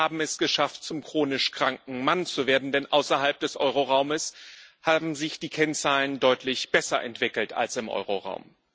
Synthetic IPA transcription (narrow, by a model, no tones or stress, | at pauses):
aːbm̩ɛsɡ̥əʃaft̚t͡sʊmkʁ̥oːnɪʃkʁ̥aŋk̚ŋ̩mant͡suveːɐdn̩dɛnʔa̰ʊsɐɦalp̚d̥ɛsʔɔʏʁoʁaʊməshaːbm̩zɪçd̥iːkʰɛnt͡saːləndɔʏtʰlɪçb̥ɛsɐʔɛ̰ntv̥ɪkl̩ta̰lsɪmʔɔ̰ʏʁoʁa̰ʊm